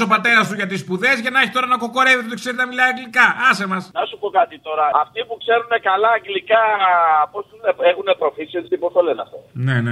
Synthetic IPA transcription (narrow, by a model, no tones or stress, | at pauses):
o̞pɐt̪e̞ɾɐst̪uʝɐt̪ispuðe̞zʝɐnɐçi̥t̪o̞ɾɐnɐko̞ko̞ɾe̞vit̪eot̪ikseɾit̪nɐmilɐiɐŋɡlikɐɐsemɐsnɐsupo̞kɐt̪it̪o̞ɾɐɐft̪ipukse̞ɾune̞kɐlɐːɡlikɐposuneexune̞pɾo̞fisiesipost̪ɐleneɐft̪o̞nene